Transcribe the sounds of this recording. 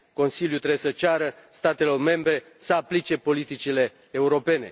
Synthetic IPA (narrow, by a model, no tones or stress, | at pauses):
ko̞nsiljut̪ɾeesət͡ʃaɾəst̪at̪e̞lo̞rme̞mbɾe̞ | səaplit͡ʃe̞po̞lit̪it͡ʃile̞ː | uɾo̞pe̞ne̞̰